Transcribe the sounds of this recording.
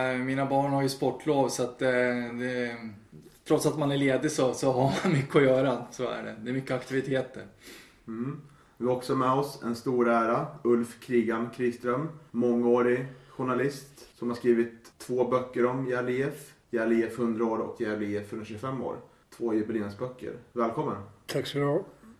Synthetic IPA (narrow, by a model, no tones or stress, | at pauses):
miːnabɑːɳhaɾjɵspɔʈːloːvsɔat̪ːd̪ɛ | t̪ʰɾɔt̪sat̪manæɭeːd̪ɪsɔsɔɦaɾmanmʏkːəɔjœːɾasoːæ̰ɖɛ̰d̪ɛɾmʏkːəakt̪ɪvɪt̪ʰeːt̪ə̰ɾ | m̩ː | vɪɔksɔmɛɔsɛ̰nst̪uːɾæːɾaɵlfkʰɾiːɡamkʰɾist̪ɾœmːɔŋːoːɾɪɧʊɳalɪst̪sɔmhaɾʂkɾiːvɪt̪ʰːvoːbœkːəɾɔmjɛːlɪɛfjɛːlɪɛfhɵnd̪ɾaoːɾɔ̰kjɛlɪɛfɵnɕɵɡfɛmːo̰ːɾ | t̪ʰvoːjɪbɪlɪɛnsbœkːə̰ɾvɛːlkʰɔmːənt̪ʰaksɔː